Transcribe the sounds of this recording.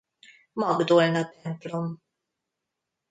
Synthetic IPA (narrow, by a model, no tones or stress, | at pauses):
mɐɡd̪ɔɾnɐt̪ɛmplum